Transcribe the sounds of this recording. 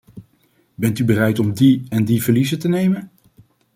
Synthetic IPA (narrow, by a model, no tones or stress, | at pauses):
bɛntybərɛjtɔmdiɛndivəɹlizətənejmən